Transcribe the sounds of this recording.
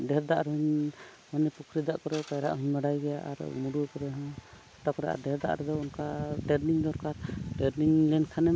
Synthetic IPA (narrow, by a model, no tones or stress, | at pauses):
ɖɛɾd̪aʔɾuɲ | manɛpukʰɾid̪aʔkɔɾɛkajɾa̰ʔɦuɲmɛɽajɡɛjaʔa̰ɾ̰muɖukɔɾɛɦɔ | t̪akɔɾɛʔa̰ɖɛɾd̪a̰ʔɾɛd̪ɔunkaʈɛɾniɲd̪ɔɾkaɾʈɛɾniɲlɛnkʰanɛ